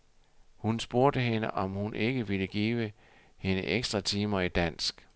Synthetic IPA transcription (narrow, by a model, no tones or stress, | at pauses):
hunsb̥o̝ɐ̰d̥əɦe̝nəʔɒ̽mhunʔe̝ɡ̥əʋiləɡ̥ḭːʋə | he̝nəʔeɡ̥sd̥ʁɐt͡sʰiːmɐid̥æn̰sɡ̥